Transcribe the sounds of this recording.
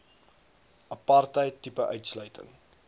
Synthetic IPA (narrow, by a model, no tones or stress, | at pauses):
ʔɐpɐrtəjtːipəʔœɥtslœɥtə̰ŋ